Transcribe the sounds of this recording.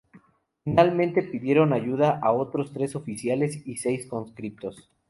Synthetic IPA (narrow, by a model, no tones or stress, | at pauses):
finalmẽnt̪e̞piðje̞ɾo̞naʝuðaʔao̞t̪ɾo̞st̪ɾe̞so̞fisjale̞sise̞jsko̞nskɾip̚t̪o̞s